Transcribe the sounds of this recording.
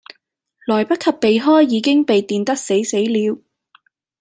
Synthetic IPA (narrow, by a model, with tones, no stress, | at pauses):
lɔː˨˩jpɐ˥t̚kʰɐ˨pːe˨jɦɔː˥jːiː˨˧kɪ˥ŋpe˨jt̪iː˨nt̪ɐ˥k̚se˨˥jse˨˥jliː˨˧w